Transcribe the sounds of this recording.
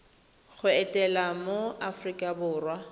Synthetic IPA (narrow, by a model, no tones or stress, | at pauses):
ɣʊɛtʼɛlamoafrikʼabʊːrwa